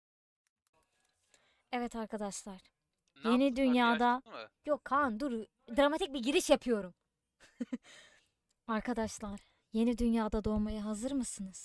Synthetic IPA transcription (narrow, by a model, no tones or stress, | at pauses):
ɛvɛt̪ʰaɾkʰad̪aʃlˠaɾ̥ | je̞nid̪ynjaːd̪ajokʰːand̪uɾ | d̪ɾamat̪ʰic̚biɟiɾiʃjapʰɯjo̞ɾum | aɾkʰad̪aʃlˠaɾ̥ | je̞nid̪ynjaːd̪ad̪o̞majaɦazɯɾmɯsɯnɯz̥